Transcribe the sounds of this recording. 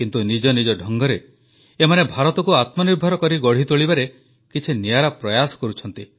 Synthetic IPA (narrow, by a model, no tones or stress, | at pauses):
kint̪unid͡ʒɔnid͡ʒɔɖʱɔŋɡɔɾe | emanebʱaɾɔt̪ɔkuat̪mɔniɾbʱɔɾɔkɔɾiɡɔɽ̤it̪oɭibaɾe | kit͡ʃʰinijaɾapɾɔjasɔ̥kɔɾut͡ʃʰɔnt̪i